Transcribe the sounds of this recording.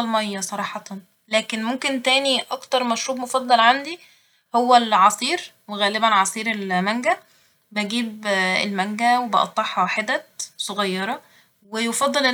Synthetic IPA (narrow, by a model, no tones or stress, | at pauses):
ɑlmæjːæsˤɑɾˤɑːħɑt̪ | læːkenmomkent̪æːniʔɑkt̪ɑɾˤmæʃɾuːbmofɑd̪ˤːɑlʕand̪i | howːælʕɑsˤiːɾ | weɣæːlebænʕɑsˤiːɾelmæŋɡæ | bæɡiːbḛlmæŋɡæwebɑʔɑ̰t̪ˤːɑħhɑħed̪ːæd̪sˤoɣɑjːɑɾˤɑ | wejofɑd̪ˤːelʔe